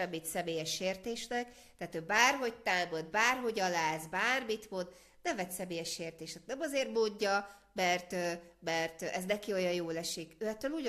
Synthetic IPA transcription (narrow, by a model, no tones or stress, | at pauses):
ɛmit̪sɛmeːjɛʃeːrt̪eːʃnɛk | t̪aːt̪øːbaːrɦo̞ct̪aːmod̪̚baːrɦo̞ɟɒlaːzbaːrmit̪mod̪ | nɛmvɛt̪sɛmeːjɛʃeːrt̪eːʃt̪ɛt̪nɛmɒzeːrmoːdːɒ | mɛrt̪ømɛrt̪ʔɛznɛkio̞jɒjoːlɛʃikøːɛt̪ːøːluːɟ